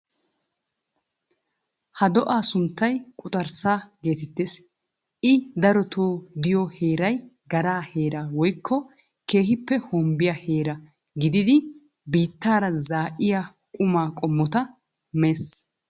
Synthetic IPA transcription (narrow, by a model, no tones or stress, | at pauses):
hɐd̪ɔʔaːsʊnt̪ːɐjkʼʊt̪ʼɐɾsaːɡe̞ːt̪ɛt̪ːes | ʔɪd̪ɐɾɔt̪ʰoːd̪ɪjɔhe̞ːɾɐj | ɡɐɾaːhe̞ːɾaːwɔjkʰːɔ | ke̞ːɦɪpːɛhɔmbɪjɐhe̞ːɾɐ | ɡɪd̪ɪd̪ɪ | biːt̪ːaːɾɐzaːʔɪja | kʼʊmaːkʼɔmːɔt̪ɐ | meːs